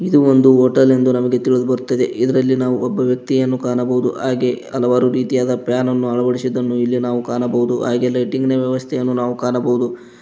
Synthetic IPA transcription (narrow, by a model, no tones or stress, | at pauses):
id̪uond̪uɦoːʈɐle̞nd̪unɐmɐɡe̞t̪iɭud̪ubɐɾut̪ːɐd̪e̞̰ʔid̪ɐɾɐlːinaːʋuɔbːɐʋjɐk̚t̪ijɐnːukaːɳɐbɐud̪ṵɦaːɡe̞ɐ̰lɐʋaːɾuɾiːt̪ijaːd̪ɐpjaːnɐnːuɐɭɐbɐɽisid̪ːɐnːuilːinaːʋukaːɳɐbɐɦud̪ua̰ːɡɛlːɐʈiŋɡneʋjɛʋɐst̪ʰejɐnːunaːʋukaːɳɐbɐɦud̪u